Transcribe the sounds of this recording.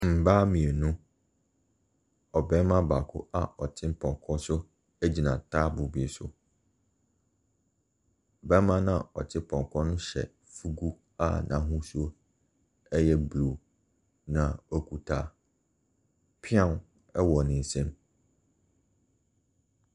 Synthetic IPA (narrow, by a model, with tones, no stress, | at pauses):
m̩˨baː˦mĩ˨e˨nũ˦ | ɔ˨bɛ˦mã˦ba˨kʰʊ̰˦a˨ɔ˨tʰɪ̃˦pʰɔ̃˨ŋkʰɔ˦sʊ˦ | æ˦d͡ʑi˨nã˨tʰaː˦bʊ˨bi˨e˨sʊ̰˦˨ | bɛ˦mã˦nã˦˨ɔ˨tʰɪ˦pʰɔ̃˨ŋkʰɔ˦nʊ̃˦ɕɛ̰˨ | fu˦ɡu˦ | a̰˨nʔã̰˨˦ɦʊ̃˦su˦o˦ | ɛ˦jɛ˦blu˨ | nã˨ɔ˦kʰu˦tʰaː˦ | pʰɪ˦ã˦˨n˨ | ɛ˦wɔ˨nɪ̃˨n̩˨sɛ̃˦m